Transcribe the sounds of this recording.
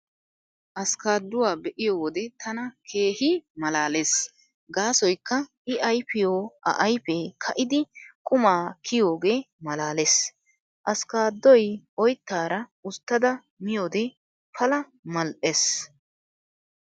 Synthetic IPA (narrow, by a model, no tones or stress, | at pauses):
ʔɐskaːd̪ːʊwaːbɛʔɪjoːwɔd̪ɛt̪ɐnɐkʰe̞ːhɪmɐlaːles | ɡaːsɔjkːɐʔɪʔɐjpːɪjoːʔɐ̰ʔɐjpekʰɐʔɪd̪ɪkʼʊmaːkʰɪjoːɡe̞ː | mɐlaːles | ʔɐskaːd̪ːɔjɔjt̪ːaːɾɐʊt̪ːɐd̪ɐ | mɪjoːd̪ɛ | pɐlɐ | mɐlʔes